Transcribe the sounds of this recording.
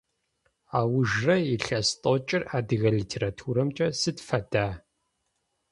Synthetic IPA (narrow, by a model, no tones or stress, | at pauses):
aːwʊʒrɐiɬɐstʼot͡ʃʼɪraːdɨɣɐɮitʰeːɾatʰuːɾɐmt͡ʃʼɐsɨtfɐdaː